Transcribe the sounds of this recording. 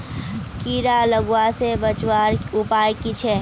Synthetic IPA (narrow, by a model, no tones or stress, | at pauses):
kiːɾaləɡwasebət͡ʃwaːɾʊpaːjkit͡ʃʰɛ